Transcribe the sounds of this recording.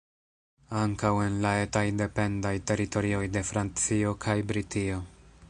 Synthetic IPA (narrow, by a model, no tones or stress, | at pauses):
aŋkawe̞nlae̞tajde̞pe̞ndajte̞ɾito̞ɾio̞jde̞fɾant͡sio̞kʰajbɾitio̞